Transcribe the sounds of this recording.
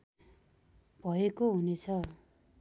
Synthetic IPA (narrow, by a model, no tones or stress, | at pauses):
bʱʌekoɦunet͡sʰʌ